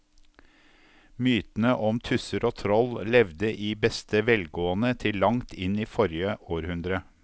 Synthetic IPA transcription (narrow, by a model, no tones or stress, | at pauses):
myːt̪n̩əʔɔmt̪ʰʉsəɾoːt̪ʰɾɔllɛʋd̪əʔiːbɛst̪əʋɛlɡoːənət̪ʰɪllːɑŋt̪ʰɪniːfɔɾjəʔoːɾhʉnd̪ɾə